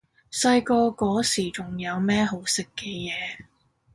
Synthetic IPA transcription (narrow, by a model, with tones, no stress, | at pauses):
sɐ˧jkɔː˧kɔː˨˥siː˨˩t͡ʃʊ˨˩ŋjɐ˨˧wmɛː˥ɦo˨˥wsɪ˨kːɛː˧jɛː˨˧